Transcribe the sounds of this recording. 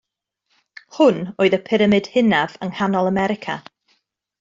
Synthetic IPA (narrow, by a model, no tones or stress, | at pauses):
hʊnoːɨðəpʰɪɾəmɨd̥hɪnavəŋhanɔlˠəmɛɾɪkʰa̰